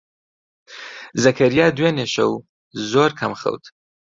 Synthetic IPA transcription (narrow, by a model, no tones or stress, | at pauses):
zakʰaɾjɑːd̪weneʃo̰w | zoːɾkʰamxə̰wt̪ʰ